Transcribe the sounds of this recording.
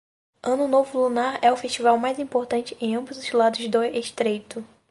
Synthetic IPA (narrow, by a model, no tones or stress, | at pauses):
ɐ̃nʊnovʊlunaɾɛʊfeʃt͡ʃivawmajzĩpoɾt̪ɐ̃nt͡ʃɪẽj̃ɐ̃mbʊzʊzlad̪ʊzd̪ojeʃt̪ɾejt̪ʊ